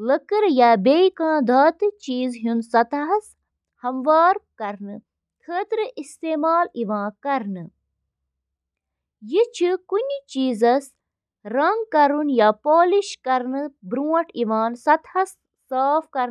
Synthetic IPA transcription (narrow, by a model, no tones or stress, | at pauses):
ləkɨɾjaːbejkãːd̪aːt̪ɨt͡ʃiːzɦunsɐt̪ɦɐs | hɐmʋaːɾkɐɾnɨ | t̪ʰəːt̪ɾɨʔist̪eːmaːliʋãːkɐɾnɨ | jit͡ʃʰikunʲt͡ʃiːzɐs | ɾɐŋɡkɐɾunjaːpoːliʃkɐɾnɨbɾũːɐʈiʋaːnsɐt̪hɐsː | aːfkɐɾ